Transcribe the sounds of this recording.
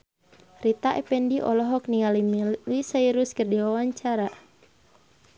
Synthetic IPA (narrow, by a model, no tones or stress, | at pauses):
rit̪aʔɛpɛndiʔɔ̰lɔɦɔk̚niŋalimlisaiɾuskɨrdiwawaɲt͡ʃaɾa